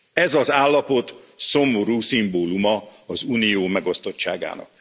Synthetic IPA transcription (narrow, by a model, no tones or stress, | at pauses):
ɛzɒzaːlːɒpo̞t̪so̞mːoɾuːsimboːlumɒɒzuːnijoːmɛɡo̞st̪o̞t͡ʃt͡ʃːa̰ːɡa̰ːnɒ̰k̚